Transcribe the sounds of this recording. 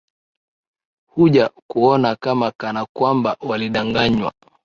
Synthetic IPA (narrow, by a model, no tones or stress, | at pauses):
huʄakuɔnakamakanakwambawaliɗaŋɡaɲwa̰